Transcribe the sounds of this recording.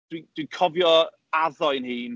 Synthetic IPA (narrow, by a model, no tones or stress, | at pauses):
d̥wid̥wikʰɔvjɔ | aðɔɨnhiːn